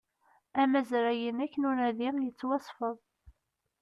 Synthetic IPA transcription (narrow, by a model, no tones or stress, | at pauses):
æmæzɾæjənækːənʊɾæðijət͡sːwɑsˤfəðˤ